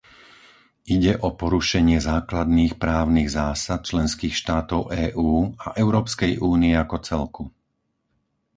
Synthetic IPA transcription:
ʔiɟɛʔɔpɔɾuʃɛɲɪɛzaːklad̪niːxpɾaːʊniɣzaːsat̪̚t͡ʃlɛnskiːxʃt̪aːt̪ɔʊʔɛːʔuːaʔɛʊɾɔːpskɛjʔuːniɛakɔt͡sɛlku

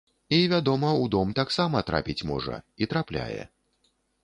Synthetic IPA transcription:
ivʲad̪ɔmɐud̪ɔmt̪aksamɐt̪ɾa̰pʲit͡sʲmɔ̰ʐɐ̰it̪ɾaplʲa̰jɛ̰

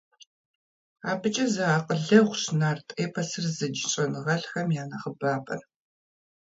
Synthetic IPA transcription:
aːbɨt͡ʃʼɐzɐaːqʼəɮɐʁʷɕnaːrtʼeːpʰɐsɨrzɨd͡ʒɪɕʼɐnɨʁɐɬxɐmjaːnɐχəbaːpʼɐ̰r

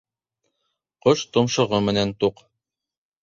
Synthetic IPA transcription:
qoʃt̪ŏmʃɤ̆ʁɤmɘ̆nænt̪uq

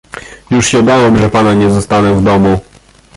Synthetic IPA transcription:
juʂɕɛb̪awɛmʐɛpanaɲɛzɔst̪anɛvd̪ɔmu

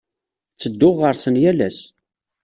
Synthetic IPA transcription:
t͡sːəd̪ːʊʁːəɾsənjælæ̰s

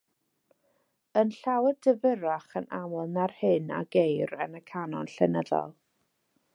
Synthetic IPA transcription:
ənɬawɛdəvəɾaχənamʊlˠnarhɨna̰ɡejɾənəkʰanɔnɬɛnəðɔ̰lˠ

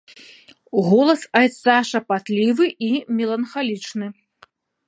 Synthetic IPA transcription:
ɣɔlˠɐsɐjt̪saʂɐpat̪lʲivɨʔimʲɛlˠɐnxalʲit͡ʂnɨ

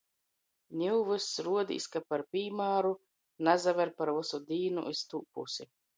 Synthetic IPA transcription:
nʲiwvɨsɾuɔd̪ʲḭːskapaɾpʲiːmaːɾu | nazavɛɾpaɾvusud̪iːnṵʔist̪uːpṵsi

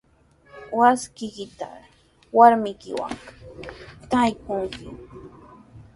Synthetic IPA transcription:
waskɪkɪt̪a̰ | waɾmɪkɪ̰wa̰ŋ | t̪ajkʊŋkɪ̰

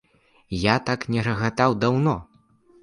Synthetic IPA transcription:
jat̪aknʲɛrɐɣat̪awd̪awnɔ

